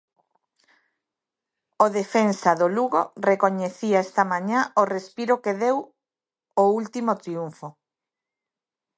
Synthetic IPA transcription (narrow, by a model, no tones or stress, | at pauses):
oðefensaðoluɣo̰rekoɲeθiaest̪amãɲaorespiɾokeðew | oult̪imot̪ɾiuɱfo